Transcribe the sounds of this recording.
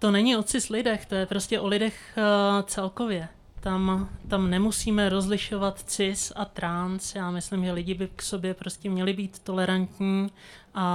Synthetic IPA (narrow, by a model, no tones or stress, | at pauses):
t̪o̞nɛɲɪo̞t͡sɪslɪdɛxt̪o̞jɛpɾo̞scɛʔo̞lɪdɛxt͡sɛlko̞vjɛ | t̪amt̪amnɛmusiːmɛɾo̞zlɪʃo̞vat̪t͡sɪsat̪ɾansjaːmɪslɪmʒɛlɪɟɪbɪkso̞bjɛpɾo̞scʲɛmɲɛlɪbiːt̪ːo̞lɛɾant̪ɲiːʔa